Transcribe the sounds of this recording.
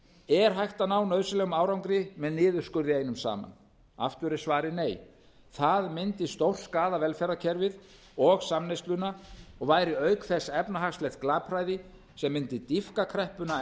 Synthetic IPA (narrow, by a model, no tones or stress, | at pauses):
ɛɾ̥ɦajht̪anaːwnœðslɛɣʏmaːwɾawŋkɾɪmɛðnɪːðʏɾ̥skʏɾðɪejnʏmsa̰ːma̰n | a̰ft̪ʏɾɛɾ̥svaːɾɪneːj | θaðmɪnt̪ɪst̪owr̥skaːðavɛlfɛɾacʰɛɾvɪð | ɔɣsamnejst̪lʏnaɔɣvaːjɾɪœɥkθɛsɛpnaɦaxslɛht̪̚klaːpʰɾaːjðɪ | sɛmːɪnt̪ɪt̪ifkakʰɾɛhpʏna